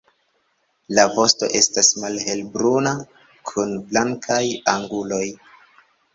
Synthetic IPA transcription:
lavo̞sto̞̰ʔe̞stasmalɦe̞lbɾuna | kʰunblaŋkʰajaŋɡulo̞j

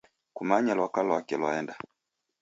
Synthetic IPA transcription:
kumaɲalwakalwakɛlwa̰ɛnda

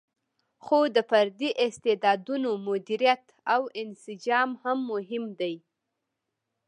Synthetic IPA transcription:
xod̪əfaɾd̪iʔɪst̪ed̪ɑd̪unomʊd̪iɾijat̪ | awɪnsɪd͡ʒɑmhamːʊɦɪmd̪aj

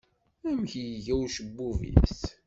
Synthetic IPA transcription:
æmçjʝæwʃəbːuvḭs

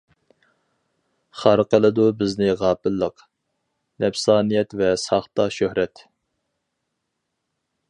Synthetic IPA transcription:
χɑɾqəlˠɨd̪ubɪznɪʁɑːpɪlːəq | nɛpsɑːnijɛt̪vɛsɑχt̪ɑʃøhɾɛt̪

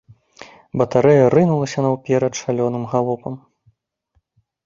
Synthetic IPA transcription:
bɐt̪aɾɛjɐɾɨnulˠɐsʲɐnɐwpʲɛɾɐt̪ʂalʲɔnɨmɣalˠɔpɐm

